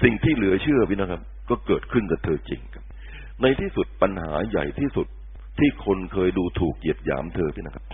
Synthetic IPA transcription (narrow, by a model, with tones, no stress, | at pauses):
si˨˩ŋt̪ʰiː˥˩lɯ˨˩˦ɐt͡ɕʰɯ˥˩ɐpʰi˦˥˩na˦˥kʰa˦˥p̚kɔː˥˩kɤː˨˩t̪̚kʰɯ˥˩nka˨˧t̪ʰɤː˧t͡ɕḭ˧ŋkʰa˦˥p̚ | na˧jt̪ʰiː˥˩su˨˩t̪̚pa˧nha̰ː˩˦ja̰˨˩jt̪ʰiː˥˩su˨˩t̪̚ʰː | iː˥˩kʰo˧nkʰɤː˧jduː˧t̪ʰuː˨˩k̚ji˨˩p̚ja̰ː˩˦mt̪ʰɤː˧pʰi˦˥˩na˦˥˩kʰa˦˥p̚